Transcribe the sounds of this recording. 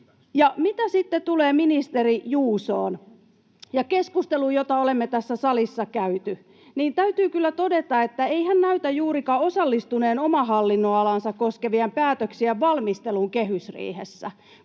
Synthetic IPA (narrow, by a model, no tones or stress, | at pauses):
jɑmit̪æsit̪ːet̪uleːminist̪erijuːsoːn | jɑkeskust̪elujot̪ɑolemːet̪æsːæsɑlisːɑkæyt̪y | niːnt̪æyt̪yːkylːæt̪odet̪ɑet̪ːæeihænnæyt̪æjuːrikɑosɑlːist̪uneːnomɑhɑlːinːoɑlɑnsɑkkoskeʋiæmpæːt̪øksiæʋʋɑlmist̪eluŋkehysrḭːhesːæ